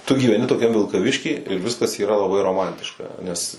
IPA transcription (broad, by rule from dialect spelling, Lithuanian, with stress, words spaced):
tʊ ɡʲiːʋʲɛˈnʲɪ toːˈkʲɛm ʋʲɪlˠkɐˈʋʲɪʃʲkʲiː ɪr ˈʋʲɪskɐs iːˈrɐ lˠɐˈbɐɪ roːˈmɐnʲtʲɪʃkɐ nʲɛs